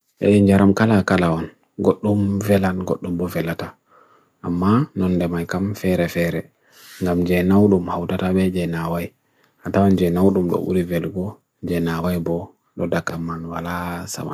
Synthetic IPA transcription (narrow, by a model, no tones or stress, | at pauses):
ʔɛ̰ɗɛɲd͡ʒaɾamkalakalaɔn | ɡoɗːumvɛlanɡoɗːumbɔvɛlata | ʔamːanɔnːdɛmajkamfɛɾɛfɛɾɛ | ŋɡamd͡ʒɛnawɗumhawtataɓɛd͡ʒɛnawaj | hatawand͡ʒɛnawɗumɗɔ̰ʔṵɾivɛlɡɔ | d͡ʒɛnawajbɔ | ɗɔdakamːanwalasa̰ma̰